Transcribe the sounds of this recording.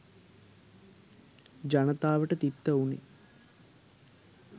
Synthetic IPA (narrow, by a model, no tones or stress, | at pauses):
d͡ʒanət̪aːʋəʈət̪it̪ːəunḭ